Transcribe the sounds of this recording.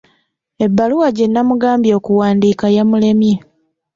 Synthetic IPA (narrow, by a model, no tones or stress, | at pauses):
e̞bːaluwaɟe̞nːamuɡaːmbjo̞ːkuwaːndiːkajamule̞mje